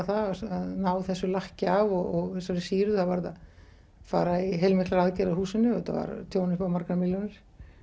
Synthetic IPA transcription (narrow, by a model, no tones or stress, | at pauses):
θaaðnaːwθɛsːʏlahcɪavɔɣɔɣθɛsaɾɪsiːɾʏθavaɾða̰ð | fa̰ːɾaiɦejlmɪhklaɾaðcɛɾahuːsɪnːʏɛt̪a̰va̰ɾt̪ʰjoːwnɪspaːwmaɾkaɾmɪljɔnɪɾ̥